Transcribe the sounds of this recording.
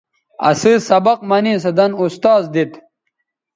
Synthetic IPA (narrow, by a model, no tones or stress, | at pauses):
ɐ̰sɨsɐbɐq̚mɐniːs̬ɐd̪ɐnust̪aːzd̪it̪